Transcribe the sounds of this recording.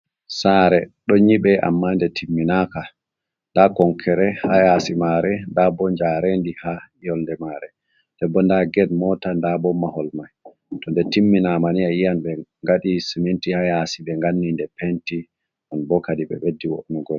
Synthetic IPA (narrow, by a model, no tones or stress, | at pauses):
saɾɛɗɔɲiɓɛʔa̰mːandɛtʰimːinaka | ndakɔŋkʰɛɾɛhajasimaɾɛndabɔɲd͡ʒaɾendihaijɔlndɛmaɾɛ | d̥ɛbːɔndaɡɛdmɔtandabɔmahɔlmaj | tɔndɛtimːinamanijajijanɓɛŋɡaɗisimintihajasibɛŋɡanːindɛpenti | ʔɔnbɔkadiɓɛ̰ɓedːiwo̰ɗnuɡɔl